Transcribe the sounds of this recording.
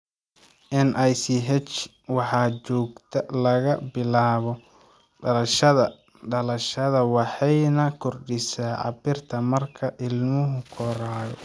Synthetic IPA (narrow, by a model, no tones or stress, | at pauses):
ʔɪnʔɛjsiɦɛt͡ʃ | wɑħɑːt͡ʃɔːɡt̪ʰɐlɐɣɐbɪlaːβɔ | ɖɐlɐʃɐðɐ | ɖɐlɐʃɐðɐwɑħɑjnɐkʰɔrɖɪsaːʕɑ̰bɪrt̪ʰɐmɐrkʰɐʔɪlmʊɦʊkʰɔɾaːjɔ̰